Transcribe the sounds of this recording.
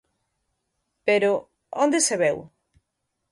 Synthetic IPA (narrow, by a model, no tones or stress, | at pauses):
peɾo | o̰nd̪eseβɛw